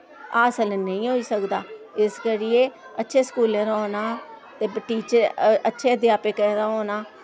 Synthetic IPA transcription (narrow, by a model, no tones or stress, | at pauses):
aːsəlnəĩːɦoːiːsəkd̪aː | ɪskəɾɪjeː | ətːʃʰeːskuːlẽːɾɔːnaː | t̪eːbʈiːt͡ʃəɾətːʃʰeːəd̪ɪjaːpeːkɛ̃ːd̪aːɦoːnaː